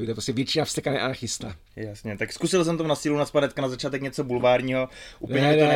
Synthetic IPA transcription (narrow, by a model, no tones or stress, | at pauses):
ɪt̪oɛpɾoscɛvjɛt͡ʃinafst̪ɛkanɛ̰ʔaaxɪst̪a | jasɲɛt̪akskusɪls̬ɛmt̪amnasiːlunaspanɛt̪̚kanazat͡ʃaːt̪ɛkɲɛt͡sobulvaːɾɲiːɦoʔṵːnl̩ɲɛɲɛd̪onɛ